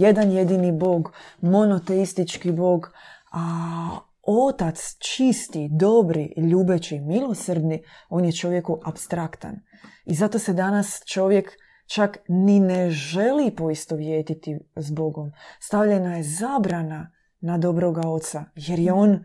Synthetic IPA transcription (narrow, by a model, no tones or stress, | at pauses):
je̞d̪anje̞d̪inibo̞ːɡmo̞no̞t̪e̞ist̪it͡ʃkibo̞ːɡa | o̞t̪at̪st͡ʃist̪id̪o̞bɾiʎuːbet͡ʃimilˠo̞srɾd̪ni | o̞ːnjet͡ʃo̞ʋje̞kuʔapst̪ɾakt̪a̰n | izat̪o̞sed̪anast͡ʃo̞ʋje̞k | t͡ʃaknineʒe̞lipo̞ist̪o̞ʋjeːt̪it̪izbo̞ɡo̞mst̪aʋʎe̞najezaːbɾana | nad̪o̞bɾo̞ɡao̞t̪saje̞ɾje̞o̞ːn